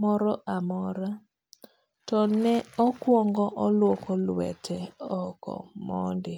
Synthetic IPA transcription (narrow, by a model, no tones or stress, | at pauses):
mɔɾɔʔamɔɾa | tɔnɛɔkwɔŋɡɔʔɔlwokɔlwɛ̰tʰɛɔkɔ̰mɔ̰ndɪ